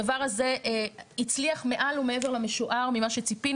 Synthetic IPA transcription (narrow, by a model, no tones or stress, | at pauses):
avaʁaze̞ʔit͡sliaχme̞ʔalumee̞ve̞ʁlameʃuʔaʁmimaʃet͡sipin